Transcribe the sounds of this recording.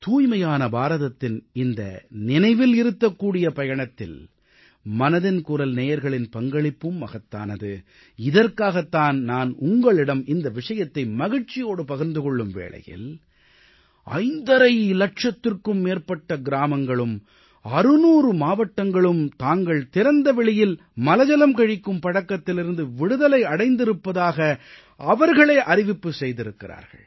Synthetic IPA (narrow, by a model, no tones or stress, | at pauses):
t̪uːjmɐjaːnɐbaːɾɐðɐt̪ːɪnɪnd̪ɐ̰nɪnɐɪʋɪlɪɾɯt̪ːɐkːuːɽɪjɐpɐjɐɳɐt̪ːɪ̰l | mɐnɐðɪnkuːɾɐlneːjɐɾɣɐɭɪnpɐŋɡɐɭɪpːɯmːɐɣɐt̪ːa̰ːnɐðɯ | ɪðɐrkaːɣɐt̪ːaːnnaːnʊŋɡɐɭɪɽɐmɪnd̪ɐʋɪʂɐjɐt̪ːɐɪmɐɣɪɻt͡ʃːɪjoːɽɯpɐɣɐɾnd̪ɯkɔɭːɯmʋḛːɭɐ̰jɪ̰l | ʔɐ̰ɪnd̪ɐɾɐɪlɐʈ̚ʂɐt̪ːɪrkɯmːeːrpɐʈːɐɡɪɾaːmɐŋɡɐɭɯm | ɐɾɯnuːɾɯmaːʋɐʈːɐŋɡɐɭɯmt̪aːŋɡɐɭt̪ɪɾɐnd̪ɐʋɛɭɪjɪl | mɐlɐd͡ʒɐlɐmkɐɻɪkːɯmpɐɽɐkːɐt̪ːɪlɪɾɯnd̪ɯʋɪɽɯðɐlɐɪɐɽɐɪnd̪ɪɾɯpːɐðaːɣɐ | ʔɐʋɐɾɣɐɭɐɪʔɐɾɪʋɪpːɯsɛjðɪɾɯkːɪɾa̰ːɾɣɐ̰ɭ